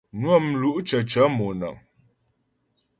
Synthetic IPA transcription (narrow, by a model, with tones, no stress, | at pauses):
nwə˦˨mlu˦ʔt͡ʃə˨t͡ʃə˨˦mo˨nə̰˨ŋ